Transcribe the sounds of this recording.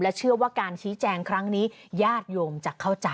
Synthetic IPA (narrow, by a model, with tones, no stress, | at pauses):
lɛ˦˥t͡ɕʰɯ˥˩ɐwaː˥˩kaː˧nt͡ɕʰiː˦˥t͡ɕɛː˧ŋkʰɾa˦˥ŋniː˦˥jaː˥˩t̪̚joː˧mt͡ɕa˨˩kʰːa˥˩wt͡ɕa˧